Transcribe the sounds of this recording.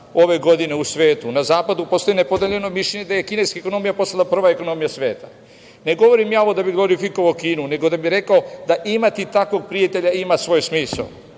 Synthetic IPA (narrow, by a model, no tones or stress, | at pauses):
o̞ʋe̞ɡo̞d̪ine̞usʋe̞ːt̪unazaːpad̪upo̞st̪ojne̞po̞d̪eʎe̞no̞miʃʎeɲed̪aje̞kineskaeko̞no̞mijapo̞salapr̩ʋaeko̞no̞mijasʋe̞̰ːt̪a | ne̞ɡo̞ʋo̞ɾimjaːo̞ʋo̞d̪abiɡlˠo̞ɾifiko̞ʋaokiːnune̞ɡo̞d̪abiɾe̞kao̞d̪aʔimat̪it̪ako̞ɡ̚pɾijat̪e̞ʎaimasʋo̞ːjsmiːsa̰o